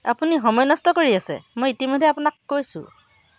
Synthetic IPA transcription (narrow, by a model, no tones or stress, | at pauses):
a̰puniɦɔmɔjnɔstɔkoɹiasɛ̰mojitimɔdʱɛapunakːojsʊ̰̃